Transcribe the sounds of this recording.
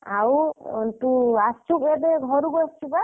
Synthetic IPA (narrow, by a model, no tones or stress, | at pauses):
awt̪uast͡ʃʰukedeɡʱɔɾukɔast͡ʃʰuka